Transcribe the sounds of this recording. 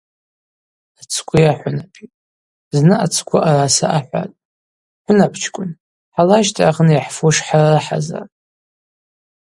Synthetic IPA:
at͡sʰkʷʰʼʊjaħʷʊnapʰitʼ | znɨat͡sʰkʷʰʊʔarasaʔaħʷa̰tʼ | ħʷʊnapʰt͡ʃʰkʷʼʊn | ħalaʃtʰʼaʁnjaħfuʂħararɨħa̰za̰r

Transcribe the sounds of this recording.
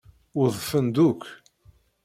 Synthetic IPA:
ʊðˤfənd̪uk

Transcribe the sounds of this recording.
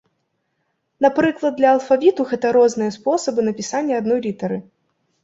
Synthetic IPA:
napɾɨklˠɐd̪̚ːlʲɐːlˠfavʲit̪uɣɛt̪ɐɾɔznɨjɐspɔsɐbɨnɐpʲisanʲːɐad̪nɔjɾʲit̪ɐɾɨ

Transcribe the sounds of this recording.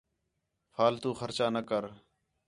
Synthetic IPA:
fʰaːlt̪uːxəɾt͡ʃaːnəkəɾ

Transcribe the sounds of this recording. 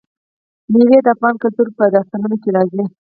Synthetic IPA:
miwed̪əafɣɑnkʊlt̪uɾpəd̪ɑst̪anunokelɑzi

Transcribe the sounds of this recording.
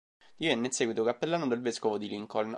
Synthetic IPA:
d̪̥ivenːeinsɛɡwit̪okapːelːanod̪elveskovod̪iliŋkoln

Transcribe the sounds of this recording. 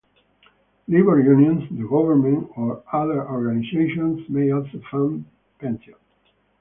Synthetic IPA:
libəɹjũnjɔ̃nsd̪əɡɔvəɹmɛ̃nɔɹaðəɹɔɹɡaniseɪʃɔ̃nsmeɪɔlsofãn | pɛ̃nsjɔ̃n

